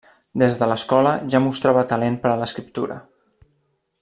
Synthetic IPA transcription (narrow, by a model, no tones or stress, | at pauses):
d̪ezðələskɔləʒamust̪ɾaβət̪əlenpəɾələskɾip̚t̪ṵɾə̰